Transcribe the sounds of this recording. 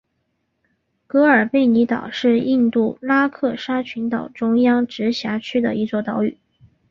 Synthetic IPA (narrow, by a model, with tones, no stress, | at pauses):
kɤ˧˥ə˞˨˩pe˥˩ɪni˧˥t̪ɑ̰˨˩ʊʂɻ̩˥˧i˥˧nt̪u˥˩la˥kʰɤ˥˩ʂa˥t͡ɕʰy˧˥nt̪ɑ˨˩ʊʈ͡ʂʊ˥ŋjɑ˥ŋʈ͡ʂɻ̩˧˥ɕja˧˥t͡ɕʰy˥d̪ə̰˨i˧˥t͡swɔ˥˩t̪ɑ˧˥ʊy̰˨˩˦